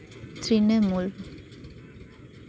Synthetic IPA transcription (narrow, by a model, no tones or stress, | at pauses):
t̪ɾinemul